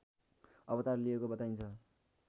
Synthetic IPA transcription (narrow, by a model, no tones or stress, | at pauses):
ʌbʌt̪arliekobʌt̪aint͡sʰʌ